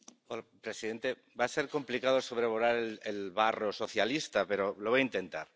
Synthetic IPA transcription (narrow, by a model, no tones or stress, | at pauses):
olapɾe̞siðe̞nt̪e̞ | base̞ɾko̞mplikaðoso̞βɾe̞βoɾaɾelelβaroso̞θjalist̪ape̞ɾo̞looaint̪e̞nt̪aɾ